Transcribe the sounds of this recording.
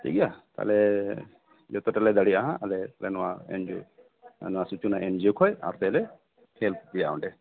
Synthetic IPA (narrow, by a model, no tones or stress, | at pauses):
ʈʰḭkiat̪a̰lɛ | d͡ʒɔt̪ɔʈalɛd̪aɽiaɦãalɛlɛnɔwaɛ̰nd͡ʒu | nɔwasut͡ʃunaɛnd͡ʒokʰɔja̰ɾt̪ɛlɛ | helt̪̚d̪ija̰ɔ̰ɳɖɛ